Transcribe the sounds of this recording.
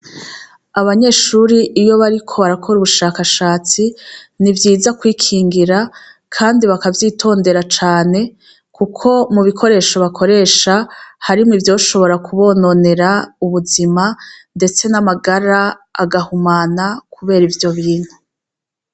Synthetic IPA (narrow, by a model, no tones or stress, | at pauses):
aβaɲe̞ːʃuɾiʔːjo̞βaɾikʰo̞βaɾakʰo̞ɾuβuʃaːkaʃaːt͡sinivjiːzakwiːkʰiːŋɡiɾa | kʰaːndiβakavjiːtʰo̞ːnde̞ɾat͡ʃaːne̞ | kukʰo̞muβikʰo̞ɾe̞ːʃoβakʰo̞ɾe̞ːʃahaɾimŋivjo̞ːʃo̞βo̞ɾakʰuβo̞ːno̞ne̞ɾauβuzimande̞t͡se̞namaɡaɾa | a̰ɡahumaːnakʰuβe̞ːɾivjo̞βiːn̥hu